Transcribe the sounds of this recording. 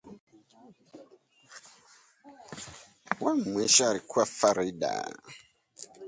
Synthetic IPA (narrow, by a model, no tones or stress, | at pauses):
waŋmwɛʃaɾikʰwafaɾida̰